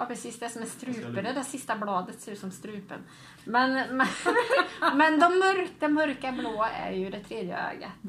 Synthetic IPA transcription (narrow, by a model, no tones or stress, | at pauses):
jɑːpʰɾɛsiːsd̪ɛsɔmæst̪ɾʉ̟ːpəd̪ɛd̪ɛsɪst̪ablɑːd̪ət̪seɾʉːt̪sɔmst̪ɾʉ̟ːpə̰n | mɛnmɛ | mɛnd̪ɔmːœɾkamœɾkabloːæ̰ɾjɵd̪ɛt̪ʰɾeːd̪jə̰ø̰ːɡə̰